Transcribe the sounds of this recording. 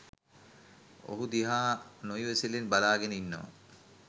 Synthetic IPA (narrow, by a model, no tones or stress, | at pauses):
o̰ɦud̪iɦaːnojueselenbalaːɡeninːɔ̰ː